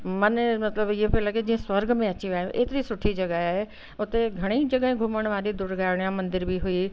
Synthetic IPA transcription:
mɐnmɐt̪ləbɪɦẽpelɐɡed͡ʑiːə̃swɐɾɡmẽɐt͡ɕiʋaːɦjũʔḛːt̪ɪɾisʊʈʰid͡ʒɐɡəɦaːɦe | ʊt̪eɡʱɐɽ̃id͡ʒɐɡəɦẽɡʱʊməɽ̃ʋaːɾid̪ʊɾɡʱaːɽ̃ijãmɐ̃nd̪ɪɾbʱiɦʊiː

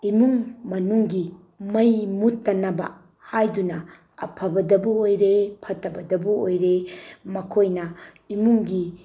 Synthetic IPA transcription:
imuŋmɐnuŋɡi | mɐjmutːɐnɐbɐ̰ | hajdunɐ | ɐ̰pʰɐbɐdɐbuojɾepʰɐtːɐbɐdɐbuojɾemɐkʰojnɐ | imuŋɡi

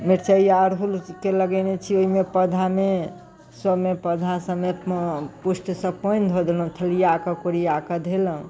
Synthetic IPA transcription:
meɾt͡ʃəiaɾɦulkeləɡənet͡ʃʰioɦimepəd̪ʱame | səmepəd̪ʱasəmepusʈsə̃pojnd̪ʱod̪elɦũt̪ʰəlijakəkoɾijakəd̪ʱeləũ

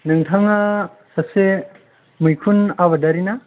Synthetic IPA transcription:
nɯŋtʰɐŋa | sɐse | mujkʰunaβɐdɐɾina

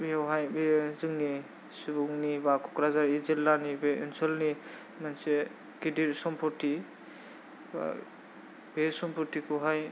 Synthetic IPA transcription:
bewɦajbezɯŋni | sibuŋnibakʰɔkɾazaɾizilːanibeensɔlni | manse | ɡidiɾsɔmpʰɔɾti | ba̰ | besɔmpʰɔɾtikʰuɦaj

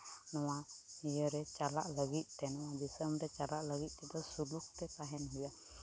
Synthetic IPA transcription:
nɔwanijəɾɛt͡ʃala̰ʔləɡit̪̚ˀt̪ɛnɔwad̪isəmɾɛt͡ʃalaʔləɡit̪̚ˀtɛd̪ɔsuluk̚t̪ɛt̪aɦɛnɦuja

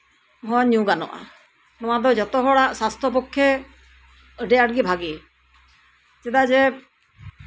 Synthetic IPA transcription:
ɦɔ̃ɲũɡanɔ̰ʔa̰ | nɔw̃ad̪ɔd͡ʒɔt̪ɔɦɔɽaʔsast̪ʰɔp̬ɔkʰːjɛ | əɖɛaʈ̚ɡibʱaɡi | sɛd̪ad͡ʒɛ

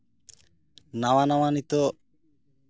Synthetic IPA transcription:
nawanawanit̪ɔ

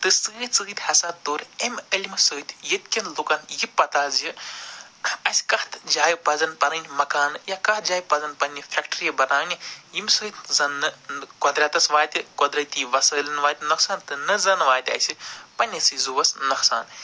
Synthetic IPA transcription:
t̪ɨsɨt͡sɨːt̪ʲhɐsaːt̪oːɾemɐlʲimɨsɨːt̪ʲʰjit̪̚kʲinlukɐnjipːɐt̪aːzji | ɐsʲkɐht̪d͡ʒaːjpɐzɐnpɐnɨnʲmɐkaːnɨjakɐht̪d͡ʒaːjpɐzɐnpɐnʲːifʰʲekʈɾijɐbɐnaːnijimsɨːt̪ʲzɐnːɨkɔd̪ɾʲaːt̪ɐsʋaːt̪ʲikɔd̪ɾɐt̪iʋɐsəːlɐnʋaːt̪ʲnɐksaːnt̪ɨnɨzɐnʋaːt̪ʲɐ̰sʲipɐnʲːit͡sɨzuʋɐsnɐkʰsa̰ːn

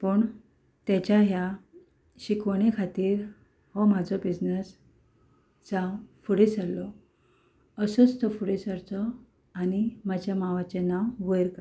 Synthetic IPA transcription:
pəɳ | t̪ɛ̃t͡ɕjaɦja | ɕikɽ̃ekʰat̪iːɾ | hɔm̤ad͡zʱɔbid͡znəs | t͡sãfuɽesalɔ | əsɔt͡st̪ɔfuɽesəɾt͡sɔ | añimad͡ʑʱjamaʋat͡ɕenawʋəjɾka

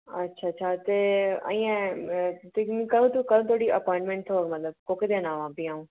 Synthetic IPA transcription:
ɐtːʃʰaːtːʃʰaːt̪ea̰ĩã | t̪emĩkəɾũːt̪ukəɾõt̪ʰoːɽiɐpɔ̃ːɪ̃ɳʈmẽɳʈ̪ʰoːɡmɐt̪ləb̚koːked̪eãnaːʋãːbiaːũː

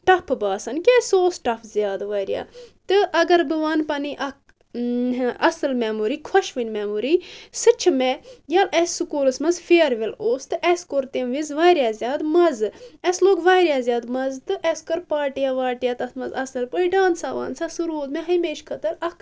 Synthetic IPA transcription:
ʈɐpʰɨbaːsɐnkʲesoːsʈɐpʰzʲjaːd̪ʋaːɾja̰ːt̪ɨʔɐɡɐɾbɨʋaːnpɐniʔɐk̚ | ɐsɨlmaːmuɾiːkʰwɐʃʋɨnʲmaːmuɾiːsɨt͡ʃʰɨmejaːlɛssɨkuːlɨsmɐzfeːɾʋiloːst̪ɨʔɛskoɾt̪emʋizʋaːjɾjaːzjaːd̪mɐzɨɐsloːɡʋaːɾʲjaːzjaːd̪mɐzt̪ɨʔɛskɐɾpaːʈijaːʋaːʈijaːt̪ɐt̪mɐzɐsɨlpɨiɖaːnsaːʋa̰ːnsaːsɨɾoːd̪meɦɐjmeːʃkʰɐt̪ɨɾɐkʰ

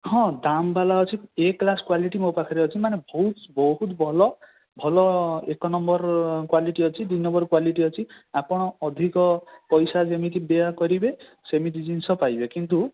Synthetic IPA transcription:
hɔ̃d̪ambalaɦɔt͡ʃʰieklaskwaliʈimopakʰaɾeɦɔt͡ʃʰimanebɔɦut̪bɔɦut̪bʱɔlɔ | bʱɔlɔekɔnɔmbɔɾkwaliʈiɦɔt͡ʃʰid̪inːɔbɔɾkwaliʈiɦɔt͡ʃʰi | apɔɽ̃ɔːd̪ʱikɔpɔjsad͡ʒemit̪̬ibeakɔɾibe | semit̪id͡ʒinsɔpajbekint̪u

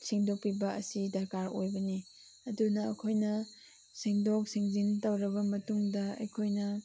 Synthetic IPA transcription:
siŋdok̚pibɐɐsidɐɾkaɾo̰jbɐni | ɐdunɐɐ̰kʰojnɐ | siŋdok̚siŋzintɐwɾɐbɐmɐtuŋdɐɐ̰jkʰojnɐ

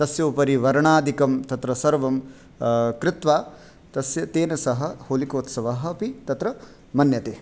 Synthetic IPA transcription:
t̪ɐsjoːpɐɾiʋɐɾɐɳaːd̪ʱikɐmt̪ɐt̪ɾɐsɐɾʋɐm | kɾɪt̪ʋaː | t̪ɐsjɐt̪eːnɐsɐɦɐ̆hoːlikoːt̪sɐʋaːɦɐɐpit̪ɐt̪ɾɐ | mɐnjɐt̪eː

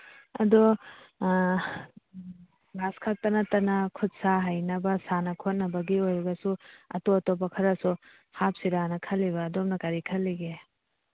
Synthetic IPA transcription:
ɐ̰do | baskʰak̚tɐnɐtɐnɐkʰut̚saɦɐjnɐbɐsanɐkʰot̚nɐbɐɡiojɾɐɡɐsuɐ̰toɐtopɐkʰɐɾɐsu | hap̚siɾanɐkʰɐlːiβɐːdomnɐkɐɾikʰɐlːiɡe

